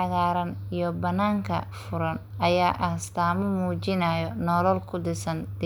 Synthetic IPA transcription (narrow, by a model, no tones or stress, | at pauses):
ħɑɣaːɾɐnijɔbɐnːaːŋkʰɐ̰fʊɾɐn | ɐjaːʔɐhst̪ʰaːmɐmuːt͡ʃɪnɐːjɔnɔːlɔlkʰʊd̪ɪsɐnd̪